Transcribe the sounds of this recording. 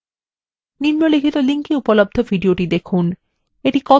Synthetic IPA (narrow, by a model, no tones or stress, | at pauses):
niɾmolikʰit̪oliŋkiupolob̚d̪ʱobʱiɖioʈid̪ekʰun | eʈikɔ